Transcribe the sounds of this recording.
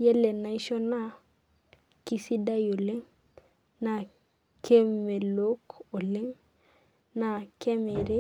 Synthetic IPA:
je˦le˨na˨i˦ʃo˦na˦ | ki˦si˦da˦jo˨le˦ŋ | na˨ | kʰe˦me˨lo˦ko˨le˦ŋ | na˨ke˦me˨ɾe˦

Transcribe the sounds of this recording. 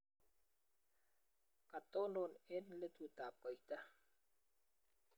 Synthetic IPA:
ka˨t̪o˦no˨ne˦nle˦t̪u˨t̪aː˨p̚ko˨it̪a˦

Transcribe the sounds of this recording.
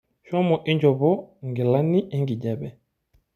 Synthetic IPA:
ʃɔ˦mɔ˨ʔi˦ɲd͡ʒɔ˨bɔ˦ŋɡi˨la˦ni˦ʔɛ˦ŋɡi˨ɟɛ˦˨bɛ˨

